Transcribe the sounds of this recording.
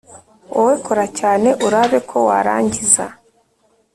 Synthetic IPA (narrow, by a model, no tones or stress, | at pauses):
oweko̞ɾacaːne̞ʔuɾaβe̞kʰo̞wa̰ɾa̰ːɲɟiza̰